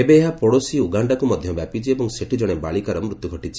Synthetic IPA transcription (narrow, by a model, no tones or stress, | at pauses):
ebeːɦapoɽosiuɡaɳɖakumɔd̪ʱjɔbjapit͡ʃʰiebɔŋseʈid͡ʒɔɽ̃ebaɭikaɾɔmɾut̪juɡʱɔʈit͡ʃʰi̥